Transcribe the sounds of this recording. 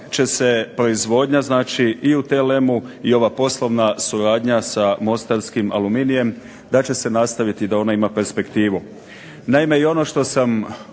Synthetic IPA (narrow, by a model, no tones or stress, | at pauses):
t͡ʃe̞se̞pɾo̞izʋo̞ːd̪ɲaznaːt͡ʃiiut̪ele̞muio̞ʋapo̞slˠo̞ʋnasuɾaːd̪ɲasamo̞st̪aɾskima̰luminije̞m | d̪at͡ɕe̞se̞nast̪aʋit̪id̪ao̞naimape̞ɾspe̞kt̪iːʋu | naime̞io̞no̞ʃt̪o̞sam